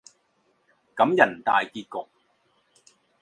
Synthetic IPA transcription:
kɐ˨˥mjɐ˨˩nt̪a̰ː˨jkiː˧t̚kʊ˨k̚

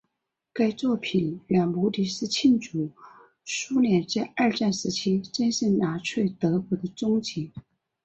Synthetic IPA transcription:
ka˥ɪt͡swɔ˥˩pʰi˨˩nljɑ˨˩ŋmu˧˥li˧˥ʂɹ̩˥˧t͡ɕʰi˥˩nʈ͡ʂu˨˩ | ʂu˥ljɛ˧˥nt͡sa˥˧ɪə˞˥˧ʈ͡ʂa˥˩nʂɻ̩˧˥t͡ɕʰi˥t͡ɕə˥nʂə˥˩na˧˥ʈ͡ʂʰwe˥˩ɪt̪ɤ˧˥pu˧˥d̪ə˧t͡sʊ˥ŋt͡ɕi˧˥

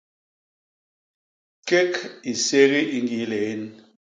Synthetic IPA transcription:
ke˦ki˨se˦ɣi˦i˦ŋ˦ɡi˨˦le˨i˦n

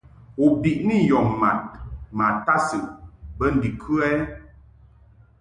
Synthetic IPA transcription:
u˨bi˨ʔni˦˨jɔ˨ŋma̰˨t̚ma˨ta˦sɨ˨ʔbə˦n̩˨di˨kʰʉ˦ɛ˦

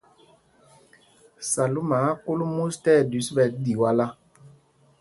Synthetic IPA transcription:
sa˨lu˦ma˨˦ku˦lu˦mu˦stɛ˦˨dy˨˦sbɛ˨˦di˨wa˦la˦

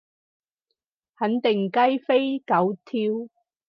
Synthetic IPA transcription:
hɐ˨˥nt̪ɪ˨˩ŋkɐ˥jfe˥jkɐ˨˥wt̪ʰiː˧w

